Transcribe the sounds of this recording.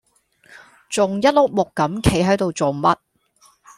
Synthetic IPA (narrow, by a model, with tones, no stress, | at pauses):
t͡sʊ˨ŋjɐ˥t̚lʊ˥k̚mʊ˨kːɐ˨˥mkʰe˨˥jɦɐ˨˥jt̪o˨wt͡so˨˩wmɐ˥t̚